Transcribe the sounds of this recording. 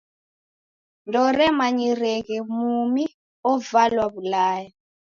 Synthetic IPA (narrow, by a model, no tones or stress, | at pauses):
ndɔrɛmaɲirɛkɛmumi | ɔvalwaβulaːja